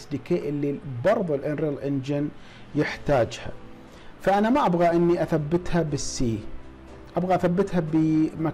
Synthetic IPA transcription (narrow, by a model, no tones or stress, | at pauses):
sd̪ɪkeːʔɪlːibɑɾˤðˤɪlʔɪnɾɪlʔɪnd͡ʒɪn | jɪħt̪aːd͡ʒha̰ | faʔanamaʔabɣaʔɪnːiʔaθabːɪt̪habɪsːiː | ʔabɣaʔaθabːɪt̪habəma